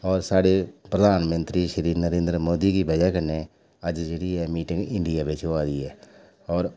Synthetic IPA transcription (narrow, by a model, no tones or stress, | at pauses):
ɔːɾsaːɽepɾəd̪ʱaːnmə̃nt̪ɾiːʃəɾiːɾnəɾẽːnd̪ɾəmoːd̪ikibəd͡ʒakəne | əd͡ʒd͡ʒeːɽiːɛːmiːʈɪ̃ŋɡɪɳɖɪjaːbet͡ʃʰoaːd̪iːɛː | ɔːɾ